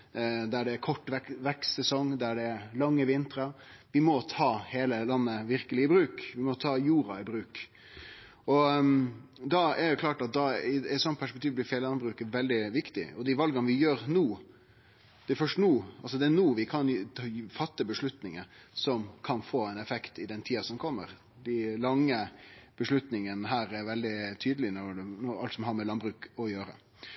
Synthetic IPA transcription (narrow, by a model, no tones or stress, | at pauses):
d̪æɖɛːkʰɔʈːʋɛkʋɛkst̪sɛsɔŋd̪æɖɛælɑŋːəʋɪnt̪əɾəʋɪmɔt̪ʰɑːheːləlɑnːəʋɪɾkəlɪɪbɾʉːkʋɪmɔt̪ʰɑːjuːɾɑɪbɾʉːk | ɔ | d̪ɑɛɾɛjʊkʰlɑːʈɑt̪̚d̪ɑɪsɔnpʰæʂpɛk̚t̪iːʋblɪɾfeːllɑnbɾʉːkəʋɛld̪ɪʋɪkt̪ɪ̰ɔd̪ɪʋɑlɡɑnəʋɪjøːɾnuː | d̪̥ɛfœʂtnuːɑls̬ɔd̪ɛænuːʋɪkʰɑnfɑt̪ːəbəʂlʉt̪nɪŋəsɔmkʰɑnfoːɛnɛfɛkt̪ɪd̪ɛnt̪ʰiːɑsɔmkʰɔmːəɾ | d̪ælɑŋːəb̥əʂlʉt̪nɪŋənəɦæːɾɛɾʋɛld̪ɪt̪ʰyːd̪əlɪnɔɾnɔɾɑ̰lt̪sɔmɦɑɾmɛlɑnbɾʉːkɔjøːɾə̰